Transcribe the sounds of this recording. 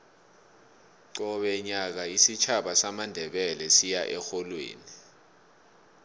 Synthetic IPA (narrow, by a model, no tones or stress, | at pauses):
ǀɔɓɛɲak̬aisit͡ʃʰaɓasamandʱɛɓɛlɛsijaʔɛxɔlwḛːni